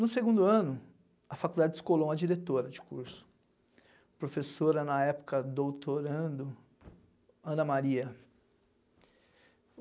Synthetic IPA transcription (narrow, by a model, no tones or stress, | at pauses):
nʊseɡũd̪ʊɐ̃nʊ | ɐfakud̪ad͡ʒɪskolõmɐd͡ʒiɾet̪oɾɐd͡ʒɪ̥kuɾsʊ̥ | pɾofesoɾɐnɐɛpʊ̥kɐd̪owt̪oɾɐ̃d̪ʊ | ɐ̃nɐmaɾiɐ